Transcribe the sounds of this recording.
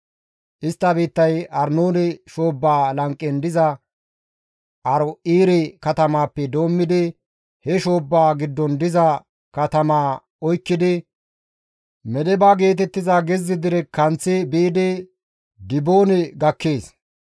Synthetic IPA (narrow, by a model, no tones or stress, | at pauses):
ʔɪst̪ːɐbiːt̪ːɐjɐɾnoːnɪʃoːbːaːlɐŋkʼːɛnd̪ɪzɐ | ʔɐɾɔʔiːɾɪkɐt̪ɐmaːpːɛd̪o̞ːmːɪd̪ɪ | hɛʃo̞ːbːaːɡɪd̪ːɔnd̪ɪzɐ | kɐt̪ɐmaː | ɔjkːɪd̪ɪ | mɛd̪ɛbaːɡe̞ːt̪̬ɛt̪ːɪzaɡɛzːɪd̪ɪɾɛkɐnt͡sːɪbiːd̪ɪ | d̪ɪboːnɪɡɐkːeːs